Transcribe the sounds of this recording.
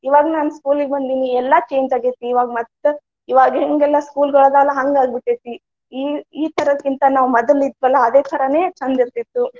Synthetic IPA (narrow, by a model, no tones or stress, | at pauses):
iʋaːɡɐnaːnuskuːliɡebɐnd̪iːniɛlːɐt͡ʃeːɲd͡ʒaːɡet̪ːiːʋaːɡɐmɐt̪ː | iʋaːɡɦeŋɡɛlːɐskuːlɡɐɭoːd̪aːlɐɦɐŋɡaːɡbiʈːet̪ːi | iiːt̪ʰɐɾɐd̪kint̪ɐnaːʋmɐd̪ɐlid̪ʋɐlːɐːd̪eːt̪ʰɐɾɐne̞ːt͡ʃɐnd̪iɾt̪it̪ːu